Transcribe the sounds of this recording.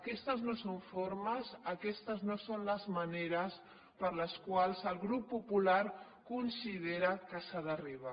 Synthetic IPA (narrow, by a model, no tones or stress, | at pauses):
kɛst̪əznosoɱfoɾməzəkɛst̪əznosonləzməneɾəs | pəɾləskwalˠzəlˠɣɾupːupulaɾ | kunsið̞eɾəkəsaðəriβa